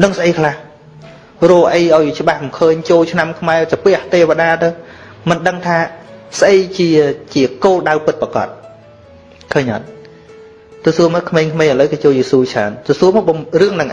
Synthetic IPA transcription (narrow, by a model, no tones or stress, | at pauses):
nɨŋsʔəjkʰlah | rɔːʔəjʔaɔjt͡ɕə̆ɓahmkʰəːɲt͡ɕoːlt͡ɕʰnamkʰmaɛt͡ɕapɛəht̪eːʋaɗaːt̪ɨw | mɨnɗəŋt̪ʰaːsʔəjt͡ɕiət͡ɕiəkoːlɗawpɨt̪̚pakɑ̰t̪̚ | kʰəːɲʔɑ̰t̪̚ | t̪ɔsuəmɔːkʰmeːŋkʰmeːʔələwkɑːt͡ɕoːlt͡ɕiəsuːt͡ɕʰaənt̪ɔsuəmɔːɓmrɨəŋnɨŋʔ